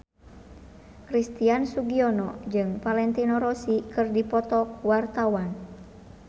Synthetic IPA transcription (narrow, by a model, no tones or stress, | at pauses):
kɾist̪iansuɡiɔnɔd͡ʒɨŋpalɛnt̪inɔɾɔsikɨrdipɔt̪ɔk̚wart̪awan